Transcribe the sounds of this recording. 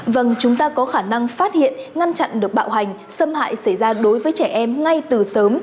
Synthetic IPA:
və˧˩ŋt͡ɕʊ˨˦ŋ͡mt̪aː˧kɔ˨˦xaː˧˩na˧ŋfaː˦˥t̚hḭ˧˨ənŋa˧nt͡ɕa̰˧˨nɗɨ˨˩ək̚ɓa̰ː˧˨wɦa˨˩jŋ̟ | sə˧mha̰ː˧˨jsa˧˩jzaː˧ɗo˨˦jvəː˨˦jt͡ɕɛ˧˩ʔɛ˧mŋa˧jt̪ɨ˨˩səː˨˦m

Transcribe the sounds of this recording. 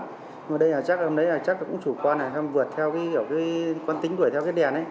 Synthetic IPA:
əː˨˩ɗə˧jʔaː˨˩t͡ɕa˦˥k̚lmɗə˨˦jʔaː˨˩t͡ɕa˦˥k̚lkʊ̰˧˥ŋ͡mt͡ɕu˧˩kwaː˧na˨˩sa˧mvɨ˨˩ət̚t̪ʰɛ˧wkaː˨˦˧wkaː˨˦jkwaː˧nt̪i˨˦ɗ̪u˧˩əjt̪ʰɛ˧kaː˨˦jɗɛ˨˩nʔə˨˦j

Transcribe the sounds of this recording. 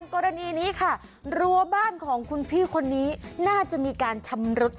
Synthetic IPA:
ŋkɔː˧ɾa˧niː˧niː˦˥kʰa˥˩ | ɾu˧ɐbaː˥˩nkʰɔː˩˦ŋkʰu˧npʰiː˥˩kʰo˧nːiː˦˥naː˥˩t͡ɕa˨˩ʔmiː˧kaː˧nt͡ɕʰa˧mɾo˦˥t̪̚

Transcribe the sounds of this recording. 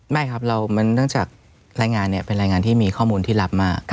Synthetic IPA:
ma˥˩jkʰa˦˥p̚ɾa˧wmɯ˦˥ŋnɯ˥˩əŋt͡ɕaː˨˩k̚ | ɾaː˧jŋaː˧nːi˥˩ɐpe˧nɾaː˧jŋaː˧nt̪ʰiː˥˩miː˧kʰɔː˥˩muː˧nt̪ʰiː˥˩la˦˥p̚maː˥˩k̚

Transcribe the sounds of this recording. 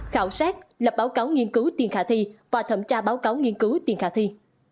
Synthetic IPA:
xaː˧˩wsaː˦˥t̚lə˨˩p̚ɓaː˨˦wkaː˨˦wŋi˧ənkɨ˨˦wt̪i˨˩ənxaː˧˩t̪ʰi˧vaː˨˩t̪ʰə˧˩mt͡ɕaː˧ɓaː˨˦wkaː˨˦wŋi˧ənkɨ˨˦wt̪i˨˩əŋxaː˧˩t̪ʰi˧

